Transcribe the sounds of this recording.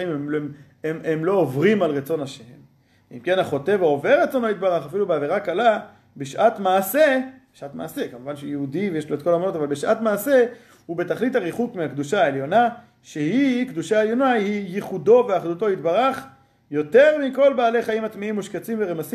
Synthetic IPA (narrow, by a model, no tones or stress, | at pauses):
imemm | ememlo̞ːvʁimalʁet͡so̞naʃeem | ḭmke̞naχo̞t̪e̞vooveʁːet͡so̞no̞it̪baʁaχafilubeaveʁakala | beʃʔat̪maːsebeʃʔat̪ma̰ːse̞kamuvanʃejeud̪ivejeʃloet̚ko̞lamlot̪avalbeʃʔat̪maːse̞ | hube̞t̪aχlit̪haʁiχukmiakd̪uʃaeljo̞na | ʃe̞hikd̪uʃaeljo̞nahijiχud̪o̞veaχdut̪o̞it̪baʁaχ | jo̞t̪e̞ʁmiko̞lbaːleχaimat̪miimːuʃket͡simveʁemasi